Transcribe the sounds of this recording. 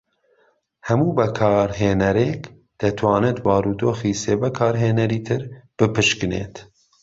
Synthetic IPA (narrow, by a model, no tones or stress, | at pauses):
hɛmuːbɛkʰɑːɾɦeːnɛɾek | d̪̥ɛt̪ʰwɑːnɨt̪bɑːɾuːd̪oːxiːseːbɛkʰɑːɾɦeːnɛɾiːt̪ʰɨɾb̥ɨpʰɨʃkɨnḛːt̪